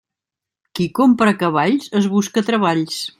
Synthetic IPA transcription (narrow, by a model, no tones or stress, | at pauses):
kikompɾəkəβaʎsəzβuskət̪ɾəβ̞aʎs